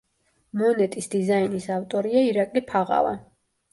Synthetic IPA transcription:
mɔnɛt̪ʼisd̪izainisavt̪ʼɔɾiaiɾakʼlipʰaʁa̰lˠa̰

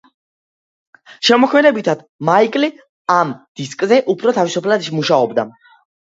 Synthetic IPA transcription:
ʃɛmɔkʰmɛnɛbit̪ʰad̪̥maikʼli | amd̪̥iskʼzɛʔupʰɾɔt̪ʰavisupʰlad̪ʃimuʃaɔbd̪a̰

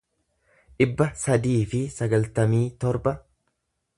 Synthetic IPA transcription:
ᶑɪbːɐsɐd̪iːfɪsɐɡɐlt̪ɐmiːt̪ɔɾbɐ

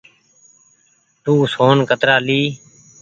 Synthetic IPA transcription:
t̪uːsoːnkət̪ɾaːliː

